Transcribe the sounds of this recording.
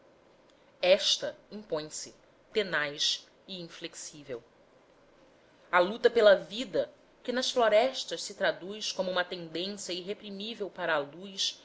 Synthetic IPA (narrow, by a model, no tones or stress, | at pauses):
ɛʃt̪ɐĩŋpõj̃sɪ | t̪enajs | ɪĩfleksivḛw | ɐlut̪ɐpelɐvid̪ɐ | kɪnɐsfloɾɛʃt̪ɐʃsɪt̪ɾad̪ujskõmʊũmɐt̪ẽnd̪ẽsjɐiɦepɾimivewpaɾɐːlujs